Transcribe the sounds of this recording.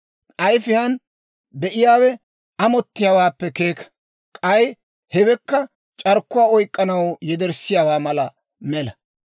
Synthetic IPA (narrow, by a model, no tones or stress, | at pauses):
ʔɐjfɪjɐn | bɛʔɪjaːwɛ | ʔɐmɔt̪ːɪjaːwaːpːɛkeːkɐ̥ | kʼɐj | hɛbɛkːɐ | t͡ʃʼɐɾkːʊwaːɔjkʼːɐnɐwjɛd̪ɛɾsɪjaːwaːmɐlɐ | mɛlɐ